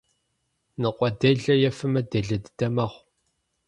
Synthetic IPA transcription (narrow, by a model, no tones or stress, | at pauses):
nɨqʷʼɔdɐɮɐjɛfɨmɐdɐɮɐdd̥ɐmɐʁʷ